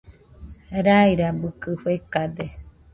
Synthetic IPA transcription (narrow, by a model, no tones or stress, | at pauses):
ɾaiɾabɯkɨɸekad̪e